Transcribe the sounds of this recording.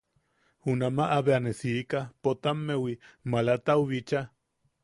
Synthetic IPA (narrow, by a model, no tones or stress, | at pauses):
hunamaʔaβeanesikapot̪amːewimalat̪awβit͡ʃa